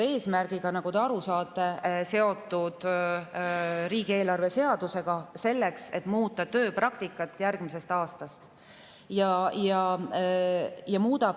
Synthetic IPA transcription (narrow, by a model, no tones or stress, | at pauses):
e̞ːsmærɡ̥iɡ̥ɑnɑɡ̥ot̪e̞ɑɾusɑːt̪ːˑe̞se̞o̞t̪ːˑud̪̥ | ɾiːɡ̥ie̞ːlɑrve̞se̞ɑd̪̥use̞ɡ̥ɑse̞lːekse̞t̪ːˑmuːt̪ːˑɑt̪ø̞ːprɑkt̪ikːˑɑt̪ːˑjærɡ̥mise̞st̪ɑːst̪ɑst̪ | jɑjɑ | jɑmuːd̪̥ɑ